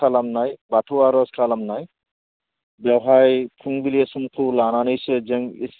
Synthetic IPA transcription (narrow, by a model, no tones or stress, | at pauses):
alamnajbaʈʰuaɾɔskʰalamnaj | bjawɦajkʰuŋbiliesumkʰulananɯjsezeŋis